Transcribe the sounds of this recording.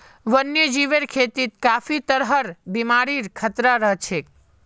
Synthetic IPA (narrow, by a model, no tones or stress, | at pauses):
ʋənjəd͡ʒiʋeɾkʰet̪it̪̚kaːfit̪əɾɦəɾbimaɾiɾkʰət̪ɾaɾəɦt͡ʃʰe